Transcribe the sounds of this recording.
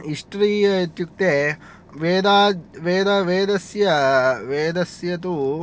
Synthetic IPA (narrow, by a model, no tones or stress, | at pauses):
iʂʈɾiːɐt̪juk̚t̪e | ʋeːd̪aːʋeːd̪ɐʋeːd̪ɐsjɐʋeːd̪ɐsjɐt̪u